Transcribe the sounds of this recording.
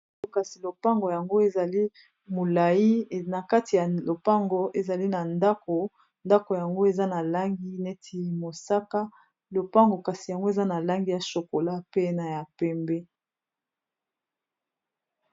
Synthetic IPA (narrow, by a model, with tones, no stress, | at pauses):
o˨ka˨si˨lo˨pa˦ŋɡo˨ja˨ŋɡo˦e˨za˨li˦ | mo˨la˨ji˦˨na˨ka˦ti˨ja˨lo˨pa˦ŋɡo˨˦ʔe˨za˨li˦na˨nda˦ko˨ | nda˦ko˨ja˨ŋɡo˦e˨za˦na˨la˦ŋɡi˦ne˦tʰi˦mo˨sa˦ka˦ | lo˨pa˦ŋɡo˨ka˨si˨ja˨ŋɡo˦e˨za˦na˨la˦ŋɡi˦ja˨ʃo˨ko˨la˦pe˦na˨ja˨pɛ˦mbɛ˦